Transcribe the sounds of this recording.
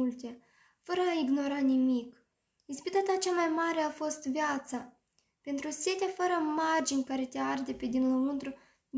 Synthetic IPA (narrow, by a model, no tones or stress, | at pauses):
ult̪ʲe̞ | fəɾəaiɡno̞ɾanimik | inspit̪at̪at͡ʃamajmaɾe̞afo̞st̪vjat̪sa | pe̞nt̪ɾusʲe̞t̪ʲafəɾəmard͡ʒinʲkaɾe̞t̪ʲeard̪eped̪inulɨnt̪ɾu